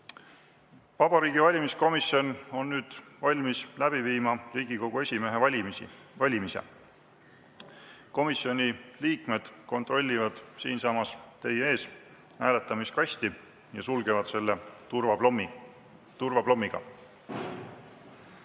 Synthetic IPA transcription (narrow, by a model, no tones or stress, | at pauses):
vɑb̥ɑɾiːɡ̥ivɑlʲimisko̞miso̞no̞nːyːd̪̥vɑlʲmislæb̥iviːmɑriːɡ̥iko̞ɡ̥ue̞sʲime̞ɦevɑlʲimsḭ | vɑlʲimise̞̰ | ko̞misio̞nʲiliːkme̞d̪̥ko̞nt̪ˑro̞lʲːivɑd̪̥siːnsɑːmɑst̪e̞jee̞ːs | hæːle̞t̪ːˑɑmiskɑsʲt̪i | jɑ̰sulɡ̥e̞vɑd̪̥se̞lːevɑm | t̪urvɑb̥lo̞mːiɡ̥ɑ̰